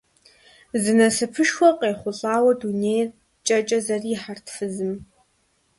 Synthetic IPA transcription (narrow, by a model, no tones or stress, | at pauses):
zɨnɐsɨpʰɨʃwʷɔqʼeːχʷʊɬʼaːwɐduneːjr | t͡ʃʼɐt͡ʃʼɐzɐriːħartʰfɨzɨm